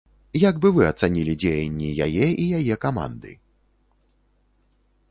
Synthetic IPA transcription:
jaɡbɨvɨɐt̪sanʲilʲid͡zʲejenʲːija̰jɛijajɛkama̰nd̪ɨ̰

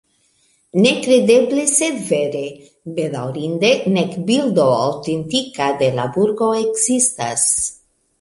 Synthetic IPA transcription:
nekɾed̪ebleseveɾe | bed̪awɾind̪enekbild̪oa̰wt̪ent̪ikad̪elabuɾɡoekzist̪a̰s

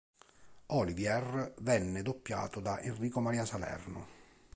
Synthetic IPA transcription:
ɔlivjɛrːvɛnːɪd̪opːja̰ːt̪ʊd̪aʔenriːkomaɾiːasalɛ̰rnʊ̰

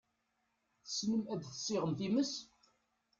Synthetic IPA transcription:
θəsləmæd̪θə̥sːɪʁəmθiməs

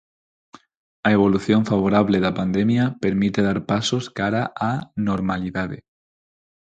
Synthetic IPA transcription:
aeβ̞o̞luθjo̞ɱfaβ̞oɾaβ̞le̞ðapand̪e̞mjape̞ɾmit̪e̞ðaɾpaso̞skaɾaʔano̞ɾmaliðaðe

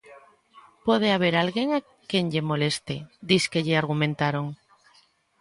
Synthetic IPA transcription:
pweðeaβ̞eɾalɣjeŋa | kjeŋʎemolest̪ed̪iskeʎeaɾɣumẽnt̪aɾoŋ

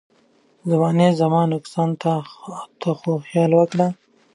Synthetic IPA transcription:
zamɑːnezamɑnʊksɑnt̪ʰat̪ʰoxoxjɑːlwəkɽa

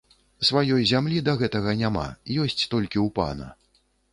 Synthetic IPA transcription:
svajɔjzʲamlʲid̪ɐɣɛt̪ɐɣɐnʲama̰jɔsʲt͡sʲt̪ɔlʲkʲiwpa̰nɐ̰

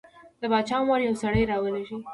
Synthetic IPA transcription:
d̪̥əbɑd̪̚t͡ʃɑmɑɾjawsaɽəjɾɑwəleʃi

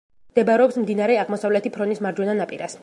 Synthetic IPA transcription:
md̪̥ɛbɾɛɔpsmd̪inaɾɛaʁmɔsavlɛt̪ʰipʰɾɔnismaɾd͡ʒwɛnanapʼiɾas

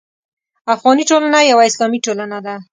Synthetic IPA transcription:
afɣɑniʈolanajawaɪslɑmiʈolanad̪a

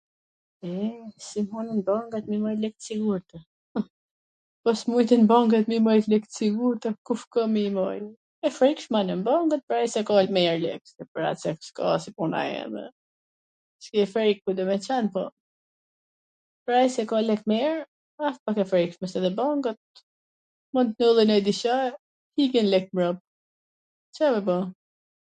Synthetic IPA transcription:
ɛsimunənbaŋɡat̪̚mimɔjlɛk̚t̪siɡuɾt̪ɛ | pɔsmujt̪inbaŋɡat̪mimɔjt̪lɛkt̪siɡuɾt̪ɛkufkɔmimɔj | ɛfɾikʃmanəmbaŋɡət̪̚pɾajsɛkɔlmɛɛɾlɛ̰ksɛpɾa̰sɛkska̰sipuna̰ɛ̰mɛ̰ | skiɛfɾɛjkkud̪ɔmɛt͡ʃɛnpɔ | pɾajsɛkɔlɛkmɛɾ | af̚pakɛfɾɛkʃmɛsɛðɛbaŋɡət̪̚ | mɔnt̪nɔlˠinad̪iʃa | hikɛnlɛk̚mɾɔp̚ | t͡ʃamɛbɔ

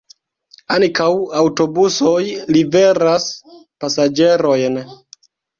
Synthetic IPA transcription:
aŋkawawto̞buso̞jlive̞ɾaspasad͡ʒe̞ɾo̞jn

